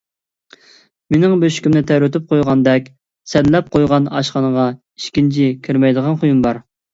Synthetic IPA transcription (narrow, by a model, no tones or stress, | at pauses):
mɪnɪŋbøʃy̥kʲymnɪt̪ʰɛɾyt̪ɪp̚qʰojʁɑnd̪ɛkʲ | sɛd̪lɛp̚qʰojʁɑnɑ̰ʃχɑnəʁɑ | iʃkʲint͡ʃʰikʲʰiɾmɛjd̪əʁɑnχojumbɑɾ